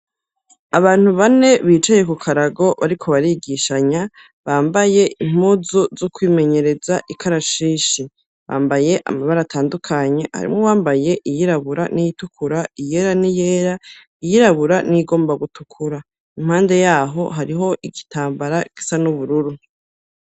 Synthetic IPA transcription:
aβaːn̥huβane̞βiːt͡ʃaje̞kukʰaɾaɡo̞βaɾikʰo̞βaɾiɡiʃaɲa | βaːmbaje̞ʔim̥uzuzukwiːme̞ɲe̞ɾe̞zaʔikʰaɾaʃiːʃi | βa̰ːmbaje̞ʔa̰maβaɾatʰaːndukʰaɲe̞ha̰ɾḭmŋowaːmbaje̞ʔijiɾaβuɾanijitukʰuɾaije̞ɾanije̞ːɾa | ijiɾaβuɾaniɡo̞ːmbaɡutukʰuɾa | im̥haːnde̞jaːɦo̞̰ɦaɾiɦo̞ʔiɡitʰaːmbaɾaɡ̥i̥sanuβuɾuɾu

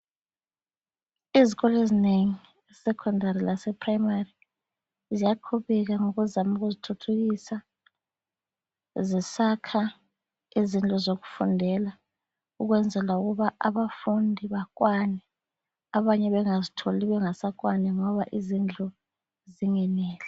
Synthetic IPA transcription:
iziɣɔlɔezineŋi | sɛkʰɔndarilasɛpʰrajmari | zijaǃʰuβɛɣ̬aŋoɣuzamuɣ̬uzitʰutʰuɣ̬isa | zisakʰa | izind͡ɮʼɔzoɣufṵndʱɛla | uɣwɛnd͡zʱɛlauɣuβaʔa̰βafundʱiβakʼwanɛ | aβaɲɛβɛŋazitʰoliβɛŋasak̬ʼwanɛŋɔβaʔizind͡ɮʼɔ | ziŋɛnɛːlɛ

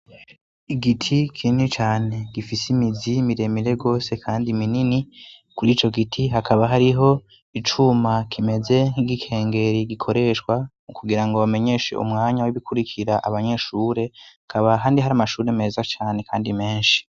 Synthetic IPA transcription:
iɡitʰikʰinit͡ʃaːne̞ɡ̥ifisimizimiɾe̞miɾe̞ɡo̞ːse̞kʰaːndimininikuɾiːt͡ʃo̞ɡitʰiɦakʰaβaɦaɾiɦo̞ | it͡ʃumakʰime̞ze̞niɡikʰe̞ːŋɡe̞ɾiɡikʰo̞ɾe̞ʃkwa | ukuɡiɾaŋɡowame̞ɲe̞ʃḛṵmŋaːɲawiβikʰuɾikʰiɾaʔaβaɲe̞ʃuːɾe̞hakʰaβaɦaːndiɦaɾaːmaʃuːɾeme̞ːzat͡ʃaːne̞kʰaːndime̞ːnʃi̥

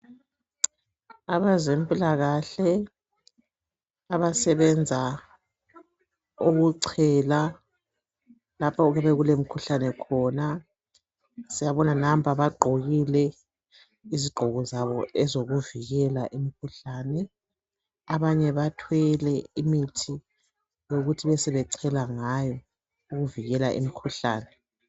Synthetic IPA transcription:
aβazempʼilaɣaɬɛ | aβasɛβɛnd͡zʱa | oɣuǀʰɛla | lapʰauɣɛβɛɣulem̩kʰuɬanɛkʰɔna | sijaβɔnanam̩pʰaβaɡ͡ǃʱoɣilɛ | iziɡ͡ǃʱɔɣɔzaβɔɛzoɣuviɣɛlaʔimikʰuɬaːnɛ | aβaɲɛβatʰwɛlɛimitʰi | joɣutʰiβɛsɛβɛǀʰɛlaŋajɔ | uɣuviɣɛlaʔḭmikʰuɬa̰ːnɛ

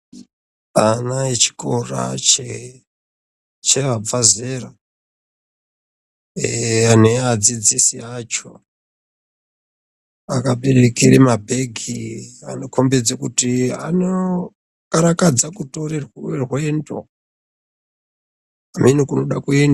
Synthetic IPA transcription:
anaet͡ʃi̥kora̰t͡ʃe | t͡ʃeʋaazera | anead͡zid͡zisiat͡ʃo | akaɓerekiɾimabʱe̞ɡʱianokʰombed͡zakutia̰no | kaɾakad͡zakutorerwerwendo̰ | amenikunoɗakuenda

